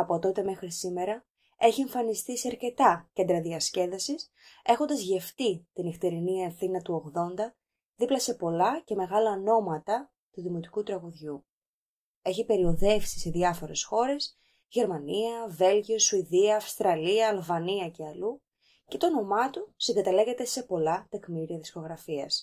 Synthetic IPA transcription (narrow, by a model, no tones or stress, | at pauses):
ɐpo̞t̪o̞t̪e̞me̞xɾisime̞ɾɐ | e̞çie̞ɱfɐnist̪isiɐɾce̞t̪ɐce̞nd̪ɾɐðiɐsce̞ðɐsis | e̞xo̞nd̪ɐzʝe̞ft̪it̪ineft̪eɾiniɐefθinɐt̪uo̞ɣðo̞nd̪ɐ | ðiplɐse̞po̞lɐce̞me̞ɣɐlɐno̞mɐt̪ɐ | t̪uðimo̞t̪i̥kut̪ɾɐɣuðʝu | e̞çipe̞ɾio̞ðe̞fsi̥se̞ðjɐfo̞ɾe̞sxo̞ɾe̞s | ʝe̞ɾmɐniɐve̞lʝiosuiðiɐːfst̪ɾɐliɐːlvɐniɐce̞ɐlu | ce̞t̪o̞no̞mɐt̪usiŋɡɐt̪ɐle̞ɣe̞t̪e̞se̞po̞lɐt̪e̞kmiɾiɐði̥sko̞ɣɾɐfiɐs